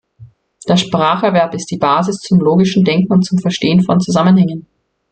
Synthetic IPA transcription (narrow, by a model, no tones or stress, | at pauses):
d̥eːɐʃpʁ̥aːχɛɐvɛɐpɪst̚d̥iːbaːzɪst͡sʊmloːɡɪʃn̩dɛŋkŋ̩ʊnt̚t͡sʊmfɛɐʃteːənfɔnt͡suzamənhɛŋən